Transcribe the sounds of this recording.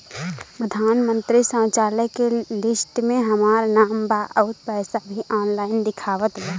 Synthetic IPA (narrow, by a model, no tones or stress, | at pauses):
pɾəd̪ʱaːnmə̃nt̪ɾisə̃ːt͡ʃaːləkelɪsʈmẽɦəmaːɾnaːmbaːʔəʊt̪pɛːsabʱiʔɔːnlaːɪnd̪ɪkʰaːʋət̪lɛ